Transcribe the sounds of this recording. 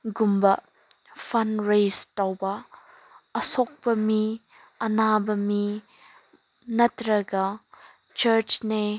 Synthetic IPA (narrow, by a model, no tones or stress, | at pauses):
ɡumbɐ | fɐnɾejstɐwbɐ | əsɔk̚pɐmi | ʔɐnabɐmi | nɐtɾɐɡɐ | t͡ʃɐɾt͡ʃne